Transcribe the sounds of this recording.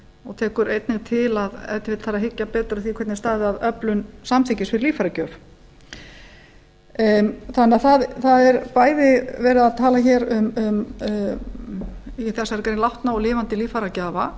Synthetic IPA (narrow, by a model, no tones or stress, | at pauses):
ɔɣt̪ʰɛːkʏɾejt̪nɪɣt̪ʰɪlaðɛ̰ft̪ɪvɪt̪θaɾaɦɪcːapɛːt̪ɾʏθikʰvɛɾt̪nɪst̪aːðɪaðœplʏnsamt̪ʰɪcɪsfɪɾɪɾliːfaɾacœːf | θanɛaθaðθaðɛɾpaːjðɪvɛːɾɪðaðt̪ʰaːlaçɛːɾʏmʏm | θɛsaɛɾkɛɾnɪlawht̪naɔlɪːvant̪ɪliːfaɾacaːva